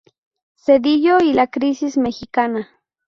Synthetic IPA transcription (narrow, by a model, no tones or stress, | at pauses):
sed̪ijoilakɾisismexikana